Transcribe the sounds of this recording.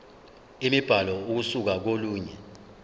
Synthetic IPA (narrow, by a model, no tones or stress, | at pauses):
imib̥ʱalɔuk̬usuk̬ak̬oluːɲɛ